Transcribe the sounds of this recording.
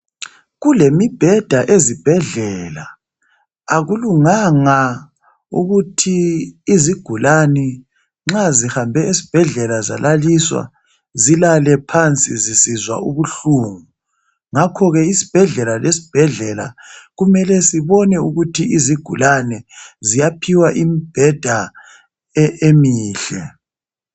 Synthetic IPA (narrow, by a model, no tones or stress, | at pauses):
ɣulemib̥ʱɛd̥ʱaʔezib̥ʱɛɮɛlaː | ɣuluŋaŋa | ṵɣutʰiːziɡ̥ʱulanɛ | ŋ͡ǁazihambʱɛezi̥b̥ʱɛɮɛlaza̰laliswa̰ | zilalɛpʰant͡sʼizisizwa̰uɣuɬuːŋu | ŋakʰɔɣɛisi̥b̥ʱɛɮɛlalesi̥b̥ʱɛɮɛla̰ɣumɛlɛsiβɔnɛuɣutʰiiziɡ̥ʱulanɛzijapʰiwaʔimib̥ʱɛd̥ʱa | ɛemiːɬɛ